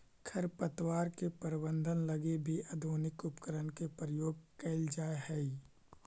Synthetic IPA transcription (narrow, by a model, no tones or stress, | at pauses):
kʰəɾpət̪waːɾkepəɾɪbə̃nd̪ʱənləɡebʱiʔɐd̪ʱoːnɪkʊpkəɾənkepɾəjoːɡ̚kɐɪld͡ʒaːeɦɛi